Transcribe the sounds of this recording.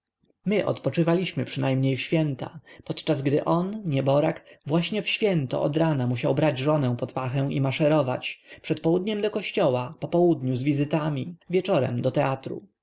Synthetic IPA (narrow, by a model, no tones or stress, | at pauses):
mɘʔɔ̰t̪pɔt͡ʂɘvalʲiɕmɘpʂɘnajmɲejfɕfʲjɛnt̪a̰pɔt̪t͡ʂazɡd̪ɘ̰ʔɔnɲɛbɔɾakvwaɕɲɛfɕfʲjɛnt̪ɔ̰ʔɔd̪ɾanamuɕawbɾad͡ʑʐɔnɛ̃w̃pɔt̪paxɛ̃w̃ʔimaʂɛɾɔvat͡ɕpʂɛt̪pɔwud̪ɲɛmd̪ɔkɔɕt͡ɕɔwapɔpɔwud̪ɲuzvʲizɘt̪amʲivʲjɛt͡ʂɔɾɛ̰md̪ɔt̪ɛat̪ɾṵ